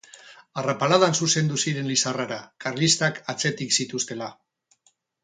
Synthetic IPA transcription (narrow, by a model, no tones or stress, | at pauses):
arapalaðansuse̞nd̪usiɾe̞nlisaraɾakarlist̪akat͡se̞t̪iksit̪ust̪e̞la